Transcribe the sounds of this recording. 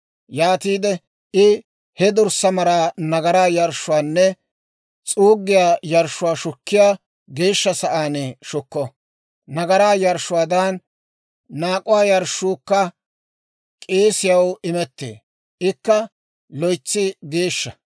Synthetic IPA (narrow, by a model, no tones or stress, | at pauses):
jaːt̪iːd̪ɛ | ʔɪ | hɛd̪ʊɾsɐmɐɾaːnɐɡɐɾaːjɐɾʃːʊwaːnːɛ | t͡sʼuːɡːɪjaːjɐɾʃʊwaːʃʊkːɪjaː | ɡe̞ːʃːɐsɐʔaːnɛʃʊkːɔ | nɐɡɐɾaːjɐɾʃʊwaːd̪anː | aːkʼʊwaːjɐɾʃːuːkːɐ | kʼeːsɪjɐwɪmɛt̪ːḛː | ʔɪkːɐ | lɔjt͡sːɪɡe̞ːʃːɐ